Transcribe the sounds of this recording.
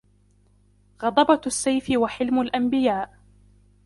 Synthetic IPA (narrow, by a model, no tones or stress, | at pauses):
ɣɑd̪ˤɑbɑasːajfɪwaħɪlmʊlʔambɪjaːʔ